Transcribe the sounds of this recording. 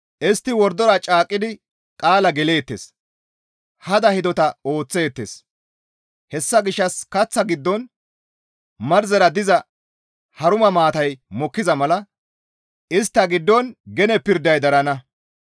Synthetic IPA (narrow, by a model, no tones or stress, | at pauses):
ʔɪst̪ːɪwɔɾd̪ɔɾɐt͡ʃʼaːkʼːɪd̪ɪ | kʼaːlɐɡɛleːt̪ːḛːs | hɐd̪ɐhɪd̪ɔt̪ɐo̞ːt͡sːe̞ːt̪ːḛːs | hɛsːɐɡɪʃːɐskɐt͡sːɐɡɪd̪ːɔn | mɐɾzɛɾɐd̪ɪzɐ | hɐɾʊmɐmaːt̪ɐjmɔkːɪzɐmɐlɐ | ʔɪst̪ːɐɡɪd̪ːɔnɡɛnɛpɪɾd̪ːɐjd̪ɐɾɐnɐ